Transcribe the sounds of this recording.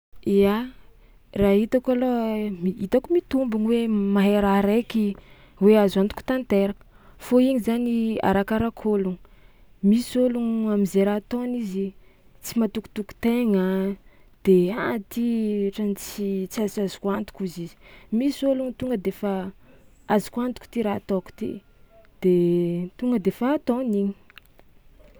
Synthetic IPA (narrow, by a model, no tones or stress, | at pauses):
ia | raɦit̪akalomiit̪akumit̪umbuniwemaɦeɾaɾeki | weazant̪u̥ku̥t̪ant̪eɾakə̥ | foiɲizania̰ɾakaɾakʰoluŋ | misoluŋamizeɾat̪onizi | t͡simat̪uku̥t̪uku̥t̪eŋə | d̪̥eat̪iʈ͡ʂanit͡sit͡siazazu̥kuant̪u̥kuzizi̥misoluŋt̪uŋɡəd̪efa | azu̥kuant̪uku̥t̪iɾat̪oku̥t̪ḭ | d̪̥et̪uŋɡəd̪efaːt̪ɔniɲi̥